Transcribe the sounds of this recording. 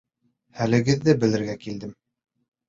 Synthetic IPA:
hælɘ̆ɡɘ̆ðːɘbɘ̆lɘ̆ɾɡækild̪ɘm

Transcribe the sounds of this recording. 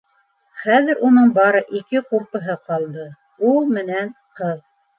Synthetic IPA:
χæðɘ̆ɾʔunɤɴbɑɾɤʔikɘquɾpɤ̆ɦɤqɑlˠd̪ɤ | ulˠmɘ̆nænqɤð

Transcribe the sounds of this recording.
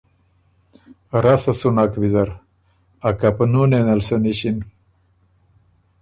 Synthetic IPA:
ɾasɐsunakbizɐɾ | akapnunenɐlsoniɕin

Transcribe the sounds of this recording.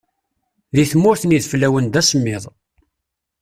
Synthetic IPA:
ðiθmːʊɾθəniðflæwənd̪æsəmːɪðˤ

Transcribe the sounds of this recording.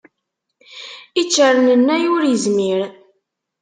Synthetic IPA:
it͡ʃːəɾnənːæjʊɾjəzmiɾ

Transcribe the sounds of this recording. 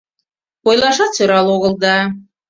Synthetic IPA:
pojlˠɑʃɑt̪t͡søɾɑloɣə̆lˠd̪ɑ

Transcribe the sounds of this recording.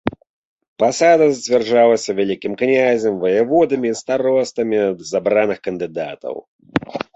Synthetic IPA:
pasad̪ɐzʲd͡zʲvʲɛrʐalˠɐsʲɐvʲalʲikʲimknʲazʲɛmvɐjɛvɔd̪ɐmʲiːst̪aɾɔst̪ɐmʲizabɾanɨxkɐnd̪ɨd̪a̰t̪ɐ̰w

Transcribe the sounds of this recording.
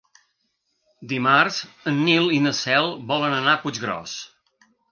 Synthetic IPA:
d̪imarz̥ənːilinəsɛlˠβɔlənənapud͡ʒɣɾɔ̰s

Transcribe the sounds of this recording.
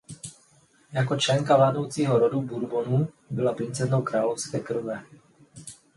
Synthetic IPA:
jakɔt͡ʃlɛŋkaʋlaːd̪ɔʊt͡siɦɔɾɔd̪ubuɾbɔnu | bɔlapɾint͡sɛznɔʊkɾaːlɔʊskɛːkr̩ʋɛ

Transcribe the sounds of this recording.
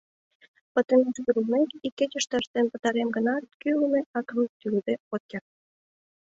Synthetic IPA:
pə̆t̪ə̆neʃduɾumekikːet͡ɕə̆ʃt̪ə̆əʃt̪enpə̆t̪ɑɾemɡə̆nɑt̪̚kyləmeʔɑkə̆mt̪yld̪eot̪̚kʲer

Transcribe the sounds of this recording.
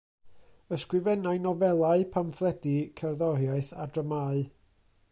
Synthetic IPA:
əskrɪvɛnaɨnɔvɛlˠaɨpʰamθlˠɛdikʰɛrðɔrjaɨθa̰drəmaɨ

